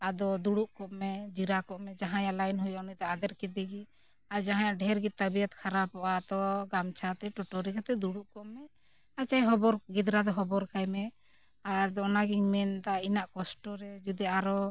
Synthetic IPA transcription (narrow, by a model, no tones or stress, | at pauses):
ad̪ɔd̪uɽuʔkɔʔmɛd͡ʒiɾakɔʔmɛd͡ʒaɦãjaʔlajnɦɔjɔʔnɔjd̪ɔad̪ɛɾkɛd̪ɛɡi | aɾd͡ʒaɦãjaʔɖʱɛɾɡid̪̚t̪abijɔt̪kʰaɾapɔʔad̪ɔɡamt͡ʃʰat̪ɛʈɔʈɔɾikat̪ɛd̪uɽuʔkɔʔmɛ | at͡ʃajɦɔbɔɾɡid̪ɾad̪ɔɦɔbɔɾkajmɛ | aɾd̪ɔnaɡiɲmɛnd̪ainaʔkɔsʈɔɾɛd͡ʒud̪ɛaɾɔ